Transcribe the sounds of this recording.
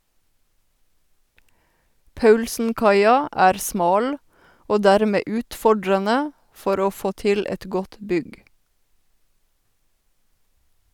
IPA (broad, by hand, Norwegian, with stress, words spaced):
ˈpɑʉlsn̩ˌkɑɪɑ ˈæːɾ ˈsmɑːl ˈoː ˈdæːɾmeː ˈʉːtfɔɖɾənə ˈfɔɾ ˈoː ˈfoː ˈtɪl ˈɛt ˈɡɔt ˈbʏɡ